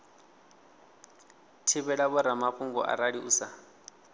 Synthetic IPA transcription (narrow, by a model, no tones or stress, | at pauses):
tʰiβɛɺaβɔɾamaɸuŋɡɔ̰ʔa̰ɾaɺiʔusa